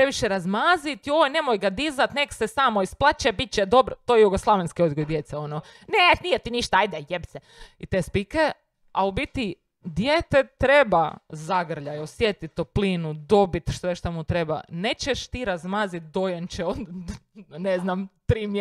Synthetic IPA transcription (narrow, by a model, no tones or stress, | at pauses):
pɾeʋiʃeɾazmazit̪iojnemojɡad̪izat̪neksesaːmoisplˠat͡ʃebit̪̚t͡ɕed̪o̞bɾot̪ojejuɡoslˠaʋenskiod̪ɡojd̪jet̪sɛono | nenijɛt̪iniʃt̪aajd̪ɛjebse | it̪espike | aubit̪i | d̪jet̪et̪ɾebazaɡr̩ʎajosjet̪it̪opliːnud̪o̞bit̪ʃʋeʃt̪amut̪ɾeba̰net͡ɕeʃt̪iːɾazmaːzit̪̚d̪ojent͡ʃeod̪ | neznamt̪ɾiːm